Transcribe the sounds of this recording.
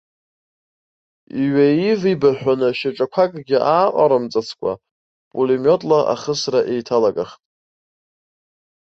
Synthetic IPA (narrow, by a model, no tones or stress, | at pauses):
iɥaivibaħʷᶣanɨʃaʈ͡ʂʼakʷʰakʼɡʲɪʔaːqʼaɾamt͡sʼat͡sʰkʷʰʼa̰ | pʼulimotʼlaʔa̰χəsraʔejtʰalaɡʼaχtʼ